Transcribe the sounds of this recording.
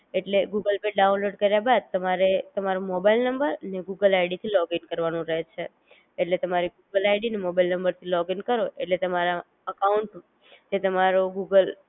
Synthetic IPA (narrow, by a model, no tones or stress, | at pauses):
eʈleɡuɡəlpeɖaunloɖkəɾjabad̪̚t̪əmaɾet̪əmaɾomɔbailnəmbəɾəneɡuɡəlajɽit̪ʰilɔɡinkəɾʋanũɾəɦet͡ʃʰe | eʈlet̪əmaɾiɡuɡəlajɖinemobailnəmbəɾt̪ʰilɔɡinkəɾoeʈlet̪əmaɾa | əkauɳʈ | d͡ʒet̪əmaɾoɡuɡəl